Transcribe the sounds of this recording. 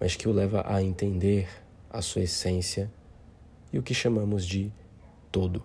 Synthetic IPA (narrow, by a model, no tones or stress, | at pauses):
mɐskɪʊlɛvɐ̰ʔɐẽnt̪ẽnd̪eɾ | ɐsuɐesẽsiɐ | iʊkɪʃɐmɐ̃mʊzd͡ʒɪ | t̪od̪ʊ